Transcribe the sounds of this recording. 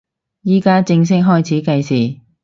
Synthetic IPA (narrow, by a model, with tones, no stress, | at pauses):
jiː˥kaː˥t͡sɪ˧ŋs̬ɪ˥k̚ɦɔː˥jt͡sʰiː˨˥kɐ˧jsiː˨˩